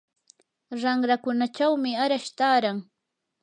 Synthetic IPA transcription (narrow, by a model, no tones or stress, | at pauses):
ɾaŋɾakʊnat͡ʃawmɪaɾaʃt̪aːɾaŋ